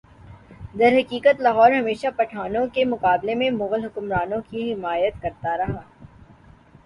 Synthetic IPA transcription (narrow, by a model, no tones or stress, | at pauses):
d̪ɐɾɦɐkiːkət̪laɦɔːɾɦɐmeːʃapɐʈʰaːnõkemʊqaːblemẽmʊɣəlɦʊkʊmɾaːnõkiɦɪmaːjət̪kɐɾt̪aɾɐɦaː